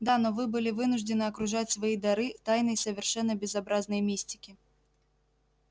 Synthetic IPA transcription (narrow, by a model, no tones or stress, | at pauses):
d̪anɔvɨbɨlʲivɨnʊʐd̪ɨnɨɐkɾʊʐat͡sʲsvɐjid̪ɐɾɨt̪ajnɐjsɐvʲɛrʂɛnːɐbʲɛzabɾaznɨjmʲisʲtʲi̥kʲi